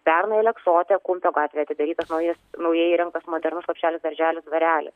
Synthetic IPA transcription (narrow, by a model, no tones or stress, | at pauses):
pʲɛrnɐɪlʲɛksoːt̪ʲɛkʊmʲpʲoːɡɑːt̪ʲʋʲeːɐt̪ʲɪd̪ɐɾʲiːt̪ɐsnɐʊjɪsnɐʊjɛːjiɾʲɛŋkt̪ɐsmoːd̪ʲɛɾnʊslˠɐpʲʃʲt͡ʃʲæːlʲɪsd̪ɐɾʲʒʲæːlʲʊsd̪ʋɐɾʲæːlʲɪ̰s